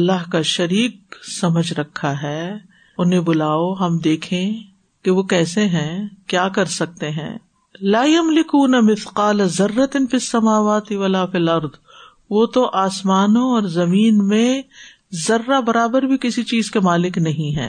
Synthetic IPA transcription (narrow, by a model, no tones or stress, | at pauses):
ɐlːaɦkaʃɐɾiːq̚sɐməd͡ʒʱɾɐkʰːaɦɛː | ʊnɦẽbʊlaːoɦɐmd̪eːkʰẽ | keʋokɛːseɦɛ̃kjaːkɐɾsɐk̚t̪eɦɛ̰̃ː | laːjɐmlɪkuːnɐmɪθqaːlɐzɐrːɐt̪ɪnfɪsːɐmaːʋaːt̪iʋɐlaːfɪlɐɾd̪ | ʋoːt̪oʔaːsmaːnõɔːɾzɐmiːnmẽ | zɐrːabɐɾaːbəɾbʱikɪsit͡ʃiːzkemaːlɪknɐɦĩɦɛ̰̃ː